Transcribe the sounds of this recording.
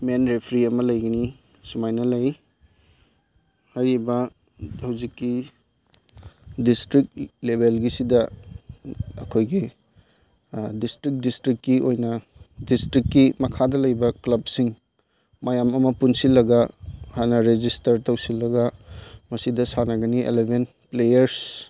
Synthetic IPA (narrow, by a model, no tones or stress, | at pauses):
menɾepʰɾiɐmɐlɐjɡɐni | sumajnɐlɐj | hɐjɾibɐ | hɐwzikːi | distɾik̚lebʱelɡisidɐ | ɐ̰kʰojɡi | distɾik̚distɾikːiojnɐ | distɾikːimɐkʰadɐlɐjbɐklɐb̚siŋ | mɐjamɐmɐpunsilɐɡɐhanɐɾed͡ʒistɐɾtɐwsilːɐɡɐmɐsidɐsanɐɡɐniḛlebʱen | plejɐɾs